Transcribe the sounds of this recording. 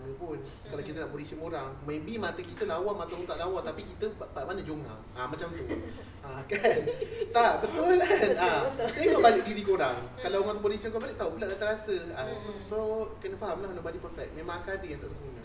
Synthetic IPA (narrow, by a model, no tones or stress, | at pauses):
dəpʊn | kalawkit̪ənaʔpolisiəmoɾaŋmẽbimat̪əkit̪əlaawamat̪aunt̪aʔlawant̪apikit̪əpamanəd͡ʒoŋa̰ | ʔamat͡ʃamt̪u | akant̪aʔbət̪ʊllanasek̪oʔbalɪk̚diɾikoɾaŋkalawmat̪upolisiənkabalɪk̚t̪aupəlaʔdat̪əɾasəasokənəfaɦamlahnabadipərfɛk̚mẽmãŋakaadiant̪aʔsəmunə